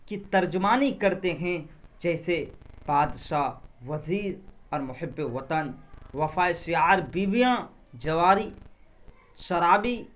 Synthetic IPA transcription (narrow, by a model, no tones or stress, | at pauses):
kit̪ɐɾd͡ʒʊmaːnikɐɾt̪eɦɛ̃d͡ʒɛːseb̥aːd̪ʃaːʋɐziːɾɔːɾmʊhɪbːeʋɐt̪ənʋɐfaːeʃɪjaːɾbiːbijã | d͡ʒɐʋaːɾi | ʃɐɾaːbiː